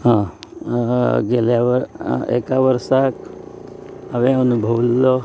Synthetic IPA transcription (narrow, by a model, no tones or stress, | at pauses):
ɦã | ɡeljaʋəɾḛkaʋəɾsak | əʋeənubʱəʋlːo